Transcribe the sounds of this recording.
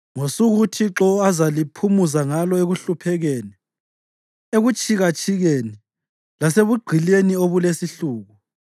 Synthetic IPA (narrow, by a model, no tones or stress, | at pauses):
ŋosuɣutʰiǁɔazalipʰumuzaŋalɔeɣuɬupʰɛɣeːnɛ | eɣut͡ʃʼiɣat͡ʃʼʰiɣeni | laseβuɡ͡ǀʱilenioβulesiɬuːɣu